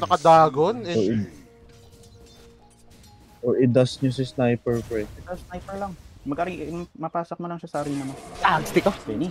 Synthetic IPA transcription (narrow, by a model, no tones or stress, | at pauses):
nɐkɐd̪aːɡonɛoʔ | ʔoːʔɪd̪asɲos̬ɪsnajpɛɹpɾɛɛt̪ɐsnajpɛɹlɐŋmɐɡʔɐɾiŋʔmɐpaːsok̚mɐlɐŋʃɐsaːɾinɐmɐaɡst̪ɪkoɛni